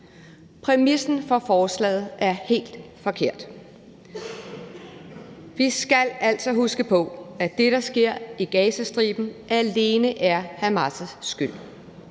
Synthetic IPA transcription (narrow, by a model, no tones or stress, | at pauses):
pʰʁɛmisn̩fɒ̽fɒːslɛ̰ːð̞̩ˠʔæɐhe̝̰ːld̥fɒ̽kʰe̝ɐ̰d̥ | ʋisɡ̥ælæl̰sɒ̽ɦusɡ̥əpʰɔ̽æd̥e̝ɾɑ̈sɡ̥e̝ɐ̰iɡ̥ɛːsæsd̥ʁḭːb̥n̩ʔæle̝ːnəʔæɐhæmɑsəsːɡ̥yl̰